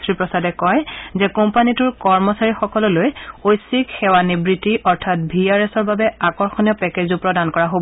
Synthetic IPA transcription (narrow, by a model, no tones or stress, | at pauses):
tɹipɹɔsadɛkɔjzɛkɔmpanituɹkɔɹmɔsaɹixɔkɔlɔlojojsikxɛwanibɹitiʔɔɹtʰat̚bʱiaɹɛsɔɹbabɛakɔɹxɔnijɔpɛkezupɹɔdankɔɹaɦob